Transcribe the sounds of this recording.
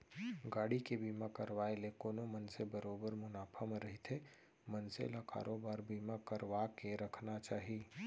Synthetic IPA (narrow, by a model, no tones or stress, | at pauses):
ɡaːɽikebiːmakəɾʋaːelekoːnomɐnsebɐɾoːbəɾmʊnaːpʰəmɾɐɦit̪ʰe | mɐnsḛlaka̰ːɾʔoːbaːɾbiːmakəɾʋakeɾɐkʰnat͡ʃaːɦiː